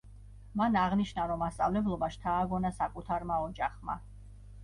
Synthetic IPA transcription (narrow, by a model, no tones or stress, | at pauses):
manaʁniʃnaɾɔmːast̪sʼa̰vlɛblˠɔbaʃt̪ʰaːɡɔnasakʼut̪ʰaɾmaɔd͡ʒaχma̰